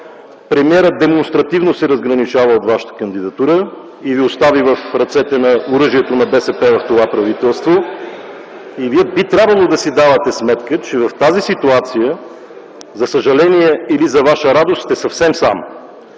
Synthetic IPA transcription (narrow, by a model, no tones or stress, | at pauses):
pɾɛmiɛɾəd̪ɛmonst̪ɾɐt̪ivnosɛɾəzɡɾɐnit͡ʃavəot̪vaʃə̥t̪ə̥kənd̪id̪ɐt̪uɾə | iviost̪avivəfɾɐt̪sɛt̪ɛnɐoɾɤʒiɛt̪onɐbɛsɛpɛvɐft̪ovapɾɐvit̪ɛlˠst̪vo | iviɛbit̪ɾʲabvəlˠod̪ɐsid̪avət̪ɛsmɛt̪kət͡ʃɛvɐft̪azisit̪uat̪sijə | zɐsəʒɐlɛniɛilizɐvaʃəɾad̪ost̪ɛsɐfsɛmsa̰m